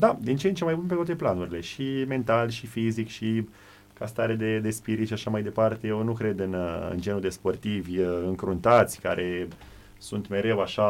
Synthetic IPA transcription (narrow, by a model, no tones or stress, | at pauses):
d̪ad̪int͡ʃeent͡ʃemajbunp̬et̪oat̪eplanuɾile̞ʃime̞nt̪alʲʃifizikʃi | kast̪aɾed̪e̞d̪e̞spiɾit̪ʃiaʃamajd̪e̞part̪e̞jewnukɾe̞d̪ɨnɨ̰nd͡ʒe̞nud̪e̞spo̞rt̪ivʲɨŋkɾunt̪at̪sʲka̰ɾʔe̞ | sunt̪me̞ɾe̞waʃa